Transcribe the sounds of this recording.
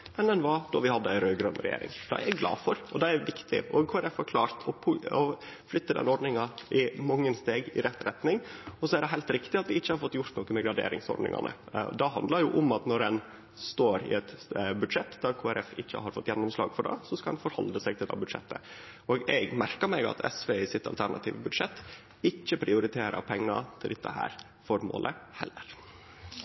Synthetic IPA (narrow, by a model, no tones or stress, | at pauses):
mɛnɛnʋɑd̪̥ɔɾʋɪhɑd̪ːəæɪɾøːɡɾœnːɾɛ̰jḛːɾɪ̰ŋd̪̥ɑ̰æɾɛɡɡlɑ̰ːfɔɾɔd̪ɛæɾʋɪkt̪ʰɪ̰ʔɔkʰoːæɾɛfhɑɾkʰlɑːɾt̪ʰɔpʰʊɔ | flʏt̪ːəd̪ɛ̰nːɔɖ̪nɪŋɑʔɪmɑŋːənst̪eːɡɪ̰ɾɛt̪ːɾɛt̪nɪŋɔsɔæɾɖɛɦɛɪlt̪ɾɪkt̪ɪɑt̪ʋɪɪçːəhɑɾfɔt̪ːjʊɾt̪noːkəmɛɡɾɑɖḛːɾɪŋsɔ̰ɾɖnɪ̰ŋɑ̰nə̰ | d̪ɑɦɑnd̪ləɾjʊʔɔmɑt̪nɔɾɛn | st̪oːɾɪ̰ɛt̪bʉd̪ʂɛt̪ːd̪ɑkʰoːæɾʔɛfɪçːə̰hɑɾfɔt̪ːjɛnːɔmslɑ̰ːɡfɔɖɑ̰ːsɔskɑlɛnfɔɾhɔ̰ld̪əsɛɡt̪ʰɪld̪ɛ̰ːbʉd̪ʂɛ̰t̪ːə̰ | oːɡɛɡmæɾkəɾmɛɡɑ̰t̪ʰɛsʋeːɪsɪt̪ːɑlt̪ʰæɳɑ̰t̪ʰiːʋəbʉd̪ʂɛt̪ː | ɪçːəpʰɾɪʊɾɪt̪ʰeːɾə̰ɾpʰɛŋːɑ̰t̪ʰɪld̪ɛt̪ʰːəhæ̰ːɾ | fɔɾmo̰ːlʔəhɛlːəɾ